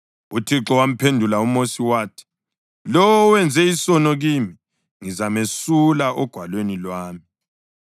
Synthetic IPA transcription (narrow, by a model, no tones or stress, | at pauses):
utʰiǁɔwam̩pʰendʱulaumosiwaːtʰi̥ | lɔwwɛnd͡zʱɛisɔnɔɣimi | ŋizamesulaʔɔɡ̥ʱwalwenilwaːmi